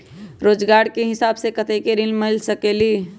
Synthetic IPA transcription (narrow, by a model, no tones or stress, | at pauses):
ɾoːd͡ʒɡaːɾkeɦɪsaːbsekət̪ʰekeɾɪlmɪlsəkeːliː